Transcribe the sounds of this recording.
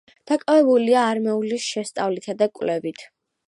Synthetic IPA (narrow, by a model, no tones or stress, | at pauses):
d̪̥akʼavɛbuliaːɾmɛulisʃɛst̪sʼavlit̪ʰad̪akʼvlɛvit̪ʰ